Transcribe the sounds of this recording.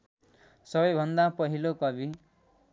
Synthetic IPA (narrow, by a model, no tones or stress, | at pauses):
sʌbʌjbʱʌnd̪apʌɦilokʌbi